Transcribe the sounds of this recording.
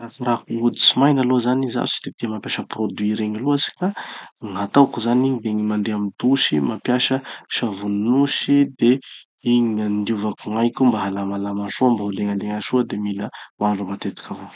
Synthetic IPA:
rasaɾakuud̪i̥t͡simajnalozaniza̰si̥d̪ed̪̥emapjaʃəprod̪wiɾeɲiluasi̥kaŋat̪awkuzaniɲid̪eɲimand̪eamint̪uʃimapjaʃəʃavunnuʃid̪e | iɲand̪iuvakuŋajkʲumbaɦalamalamaʃoambauleŋand̪eŋaʃuəd̪emiləmaɳɖ͡ʐumat̪et̪i̥kʰavo

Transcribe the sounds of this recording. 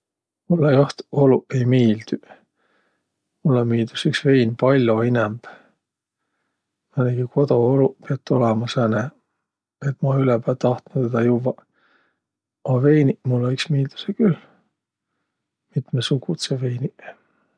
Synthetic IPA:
mulːejoht̪oluʔejmiːld̪̥y | mulːemiːd̪̥usyksvejnpɑlʲjoinɛmb̥ | mɑneɡ̥iko̞d̪oolupeɑt̪ːolemɑsene | et̪mɑylɛpæːlt̪ɑht̪nut̪ːed̪ɑjuvːɑ | ɑvejnimulːeyksmiːld̪̥u̥sekyl | mit̪mesuɡut̪sevejni

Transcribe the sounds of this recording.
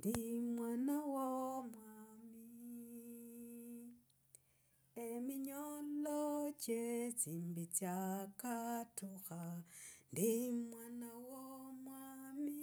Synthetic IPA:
ndimwanawomwami | emiɲolocet͡simbit͡sjakatʰuxandimwanawomwami

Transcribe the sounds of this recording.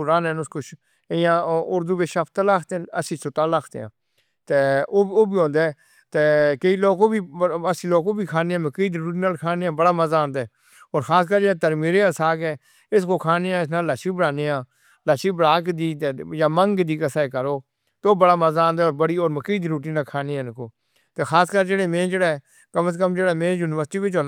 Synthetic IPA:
ɾaːnɛːnʊskʊt͡ʃː | jãːʊɾd̪uːʋeʃapʰt̪aːlaːkʰt̪enəsĩːsʊt̪aːlaːkʰt̪ḛːã̰ː | t̪eːoːoːbiːɦõːnd̪eː | t̪eːkəiːloːkõːbiːəsĩːloːkõːbiːkʰaːneːãːməkiːd̪ɾuːʈiːnaːlkʰaːneːãːbəɽaːməzãːnd̪ɛː | ɔːɾxʰaːskəɾːt̪əɾmiːɾeːəsaːɡɛː | ɪskoːkʰaːneːãːɪs̬naːlːaʃiːbəɽaːneːãː | laʃiːbɽaːkd̪iːt̪ejãːməŋɡd̪iːkəsaːkəɾoː | t̪ːoːbəɽaːməzãːnd̪aːoːɾbəɽiːoːɾməkiːd̪ɾuːʈiːnaːlkʰaːneːɛ̃ːkoː | t̪eːxʰaːskəɾd͡ʒeːɽeːmẽːd͡ʒeːɽaː | kəməskəmd͡ʒeːɽaːmẽːjuːnɪʋəɾsʈiːʋɪt͡ʃõːn

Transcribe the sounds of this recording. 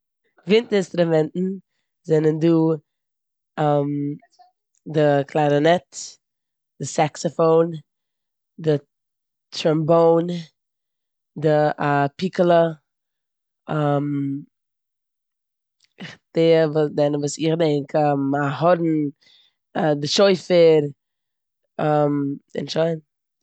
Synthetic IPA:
vɪntɪnstɾʊmɛntn̩ | zɛnənduː | am | dɪkʰlˠaɪnənɛt | d̥ɪsaksɔfoːn | dɪ | tɔmboːn | dɪʔapikəlˠə | am | ɪχdevuːdɛnəvuːsɪχdɛŋkʰɛmahɔdn̩ | adɪʃoɪfəɾ | amɪ̰nʃoɪn

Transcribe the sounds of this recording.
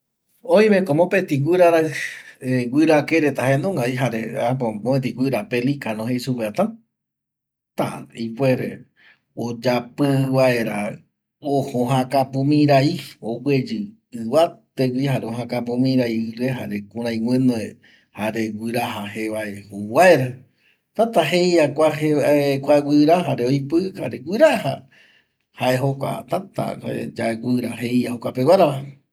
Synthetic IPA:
oj̃mẽkomõpet̪iɡʷiɾaɾaeɡʷwɨɾakeɾet̪aɦend̪ũŋɡaiɦaɾeapomõet̪iɡʷɨɾapelikanõɦeisupeat̪ã | t̪a̰ipweɾe | od͡ʒapɨβaeɾa | ohõɦãkapũmĩɾaiowwed͡ʒɨ | ɨʋat̪ekʷihaɾeoɦãkap̬ũmĩɾaiɨɾeɦaɾekũɾ̃ãj̃wʷẽnoe | haɾe̞ɡʷɨɾaɦaheβaehowaeɾa | t̪at̪aɦejakʷaeaekʷaɡʷiɾaɦaɾeojpɨhaɾeɡʷiɾaha̰ | haʔeɦokʷa̰t̪at̪a̰a̰ed͡ʒaeɡʷiɾaɦejahokʷapewaɾaβa

